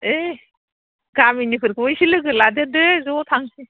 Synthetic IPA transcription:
e | ɡaminipʰɯɾkʰɯɔjsilɯɡɯladɯdɯzɔtʰaŋsi

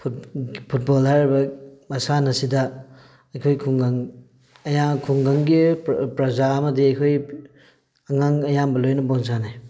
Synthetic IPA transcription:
pʰutpʰut̚bolhajɾibɐmɐsanɐsidɐ | ɐjkʰojkʰuŋɡaŋ | ɐjakʰuŋɡaŋɡipɾɐzaɐmɐdiɐjkʰoj | ɐŋaŋɐjambɐlojnɐbons̬anaj

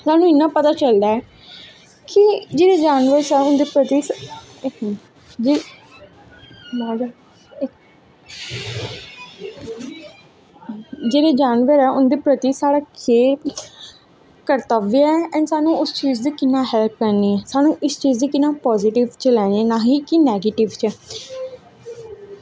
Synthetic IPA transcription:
saːnũːɪnːãːpət̪aːt͡ʃəld̪aːɛː | kɪd͡ʒeːɽeːd͡ʒaːnʋəɾsɛːʊnd̪eːpɾət̪iː | d͡ʒ | ad͡ʒ | d͡ʒeːɾeːd͡ʒaːnʋəɾɛːʊnd̪eːpɾət̪iːsaːɽaːkeː | kəɾt̪əʋjɛːɛ̃ːnsaːnũːʊst͡ʃiːzd̪iːkɪnːãːɦɛːlp̚kəɾniːɛːsaːnũːʔɪst͡ʃiːzd̪iːkɪnːãːpɔːzɪʈɪʋt͡ʃəlɛːneːɛːnãːɦiːkinɛːɡeːʈɪʋt͡ʃɛː

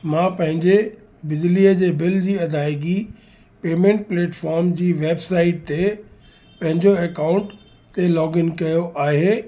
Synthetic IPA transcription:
mãpɐ̃ɦɪ̃ɲd͡ʑe | bɪd͡ʑliːəd͡ʑeːbɪld͡ʑiːɐd̪ʱaːɪɡi | peːmẽɳʈ̚pleːʈfɔːɾmd͡ʑiːʋeːbsaːɪʈ̚t̪e | pɐ̃ɦɪ̃ɲd͡ʑoekaːʊ̃ɳʈ | t̪elɔːɡɪnkɐjoʔaːɦeː

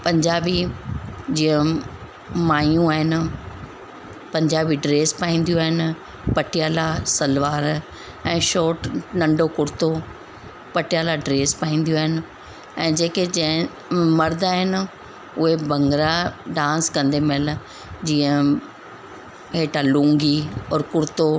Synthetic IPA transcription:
pɐ̃ɲd͡ʑaːbi | d͡ʑĩːə̃ | maːjũaːɦɪnɪ | pɐ̃ɲd͡ʑaːbiɖɾeːspaːĩːn̆d̪ijuaːɦɪn | pɐʈɪjaːlasɐlʋaːɾ | ɛ̃ːʃoːʈnɐ̃ɳɖokʊɽɪt̪o | pɐʈɪjaːlaɖɾeːspaːĩːn̆d̪ijoaːɦɪnɪ | ɛ̃ːd͡ʑeːked͡ʑɛ̃ɪ̃ | mɐɾd̪aːɦɪn | ʊɦebɐ̃ŋɡɾaɖãːnskɐ̃nd̪emel | d͡ʑiːə̃ | ɦeːʈalũːŋɡiɔːɾkʊɾt̪o

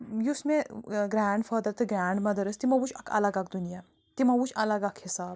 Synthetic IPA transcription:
jusmẽɡɾaːɳɖfaːd̪əɾt̪ɨɡɾaːɳɖmɐd̪ɐɾɨst̪imɐwut͡ʃʰɐkʰɐ̰lɐɡakd̪unijaː | t̪imɐwut͡ʃʰɐlɐɡakʰhisaːb̚

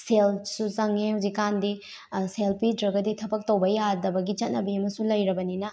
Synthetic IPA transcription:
selsuzɐŋehuzikːandi | selpidɾɐɡɐditʰɐbɐk̚towbɐjadɐbɐɡit͡ʃɐt̚nɐbiɐmɐsulɐjɾɐbɐninɐ

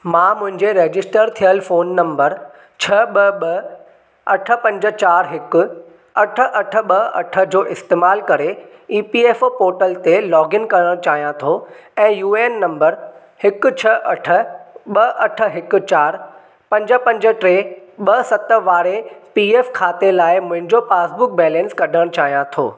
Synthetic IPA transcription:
mãːmʊ̃ɦɪ̃ɲd͡ʑeɾeːd͡ʑɪsʈəɾt̪ʰijəlfoːnːɐ̃mbəɾ | t͡ɕʰɐɓɐɓɐ | ɐʈʰə̆pɐ̃ɲd͡ʑə̆t͡ɕaːɾɦɪkʊ̆ | ɐʈʰə̆ʔɐʈʰə̆ɓɐɐʈʰə̆d͡ʑoːʔɪst̪eːmaːlkɐɾeiːpieːfpoːɾʈəlt̪elɔːɡɪnkɐɾəɽ̃ot͡ɕaːɦijãt̪ʰoɛ̃ːjuːeːnːɐ̃mbəɾ | hɪkʊ̆t͡ɕʰɐʔɐʈʰə̆ɓɐɐʈʰə̆ɦɪkʊ̆t͡ɕaːɾ | pɐ̃ɲd͡ʑəpɐ̃ɲd͡ʑə̆ʈɾeːɓɐsɐt̪əʋaːɾepiːeːfkʰaːt̪elaːɪmʊ̃ɦɪ̃ɲd͡ʑopaːsbʊk̚bɛːlɛ̃ːnskɐɗʱəɽ̃t͡ɕaːɦijãt̪ʰo̰ː

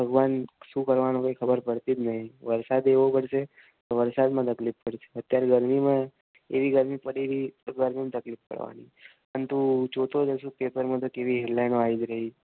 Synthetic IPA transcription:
bʱəɡʋanʃũkəɾʋanõkojkʰəbəɾpəɽt̪id͡ʒ̪nəɦĩʋəɾsad̪eʋopəɽʃe | t̪oʋəɾsad̪mãt̪əklippəɽt͡ʃʰe̥ət̪jaɾeɡəɾmimã | eʋiɡəɾmipəɽeʋiɡəɾmimãt̪əklipkə̰ɽʋa̰niəənt̪ut͡ʃot̪ʰod͡ʒəsũpepəɾmãt̪̬okeʋiɦeɖlajnoaid͡ʒɾəɦi

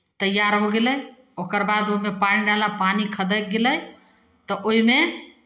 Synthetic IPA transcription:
t̪əjaɾɦoɡeləj | okəɾbad̪oimepaniɖalapanikʰəd̪ək̚ɡeləj | t̪ɔʔoɦime

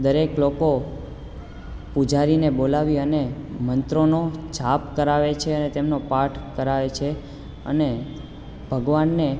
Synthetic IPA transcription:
d̪əɾekloko | pud͡ʒaɾinebolaʋiənemənt̪ɾonot͡ʃapkəɾaʋet͡ʃʰeənet̪emnopaʈʰkəɾaʋet͡ʃʰe | ə̰ne | bʱəɡʋanːe

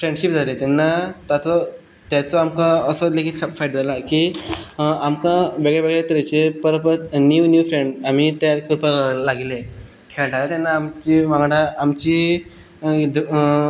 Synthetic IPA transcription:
fɾeɳɖɕip̚d͡zʱalet̪anːat̪at͡sɔ | t̪jat͡sɔamkãəsɔlekiːt̪fajʈd͡zʱalakiː | amkãʋeɡɭeʋeɡɭet̪əɾet͡ɕepəɾəpət̪nuʋnjufɾeɳɖam̤it̪aɾkʰəɾpəɾlaɡile | kʰeld͡zalet̪anːaːmt͡ɕimaɡɽaamt͡ɕiː | d̪

